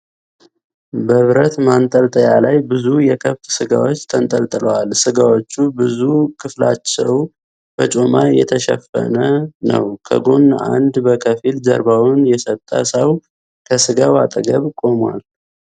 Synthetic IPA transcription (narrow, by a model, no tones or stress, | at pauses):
bəβɾət̪mant̪ʼəlt̪ʼəjalajbɨzujɛkʰəβt̪sɨɡawo̞t͡ʃːt̪ʰənt̪ʼəlt̪ʼɨləwalsɨɡawot͡ʃːubɨzukʰɨflat͡ʃːɛw | b̥ət͡ʃʼo̞majɛt̪ʰəʃɛ̰fːə̰nənə̰wkʰə̰ɡo̞nːa̰nd̪bəkʰəfilzə̰ɾbawʊnjɛsət̪ʼːə̰səw | kʰəsɨɡawat̪ʼəɡəβkʼo̞mwa̰l